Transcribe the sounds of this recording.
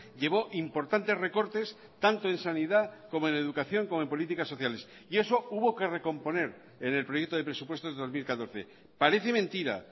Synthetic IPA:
ʎe̞β̞o̞ʔimpo̞ɾt̪ant̪ere̞ko̞ɾt̪e̞s | t̪ant̪oe̞nsaniðako̞moe̞ne̞ðukaθjo̞ŋkomoe̞mpolit̪ikasːo̞θjale̞s | ie̞so̞uβo̞ke̞re̞ko̞mpo̞ne̞ɾ | ene̞lpɾoje̞k̚t̪oðe̞pɾe̞supwest̪o̞zðeðo̞zmilkat̪o̞ɾθe̞̰ | paɾe̞θement̪iɾa̰

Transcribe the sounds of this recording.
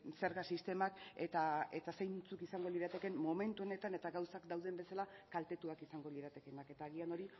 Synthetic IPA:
seɾɣasist̪e̞maket̪ae̞t̪asejnt͡sukisaŋɡo̞liɾat̪e̞ke̞mmo̞me̞nt̪uo̞ne̞t̪ane̞t̪aɣawsakd̪awðe̞mbe̞salakalt̪e̞t̪uakisaŋɡo̞liɾat̪e̞ke̞nake̞t̪aːɣ̞iano̞ɾi

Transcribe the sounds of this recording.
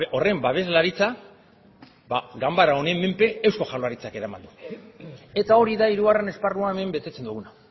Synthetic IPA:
o̞re̞mbaβ̞e̞zlaɾit͡sa | baɡambaɾao̞nemːe̞mpe̞ːwsko̞ʝaloaɾit͡sake̞ɾama̰nd̪u | e̞t̪ao̞ɾiðaiɾuɣare̞ne̞sparuae̞me̞mbe̞t̪e̞t͡send̪uɣuna

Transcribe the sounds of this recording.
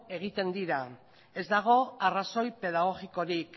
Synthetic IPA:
e̞ɣ̞it̪e̞nd̪iɾa | e̞zd̪aɣ̞o̞araso̞jpe̞ð̞aɣ̞o̞ɣiko̞ɾik

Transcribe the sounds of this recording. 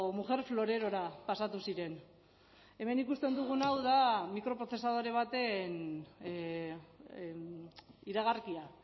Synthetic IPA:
muʝe̞ɾflo̞ɾe̞ɾo̞ɾapasat̪usiɾe̞n | e̞me̞nikust̪e̞nd̪uɣ̞unawðamikɾo̞pɾoθe̞saðo̞ɾe̞β̞at̪e̞n | iɾaɣ̞arkia

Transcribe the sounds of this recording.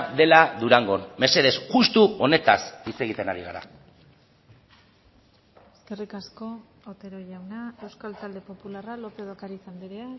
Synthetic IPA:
d̪e̞laðuɾaŋɡo̞nme̞se̞ð̞e̞sʝust̪uo̞ne̞t̪asit͡se̞ɣ̞it̪e̞naɾiɣa̰ɾa̰ | eske̞rikasko̞ | ot̪e̞ɾoʎawnae̞wskalt͡s̪ald̪e̞po̞pularalo̞peðokaɾisand̪iɾea

